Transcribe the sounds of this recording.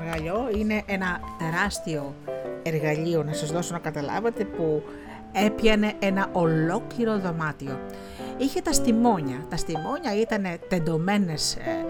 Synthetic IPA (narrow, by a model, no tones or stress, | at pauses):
ɣɐʎo̞ine̞ʔenɐt̪e̞ɾɐst̪io̞e̞ɾɣɐʎio̞nɐsɐzðo̞sonɐkɐt̪ɐlɐ̰vɐt̪e̞pu | e̞pʝɐne̞ʔenɐʔo̞lo̞kliɾo̞ðo̞mɐt̪io̞ | içe̞t̪ɐst̪imo̞ɲɐt̪ɐst̪imo̞ɲɐit̪ɐne̞t̪e̞nd̪o̞me̞ne̞s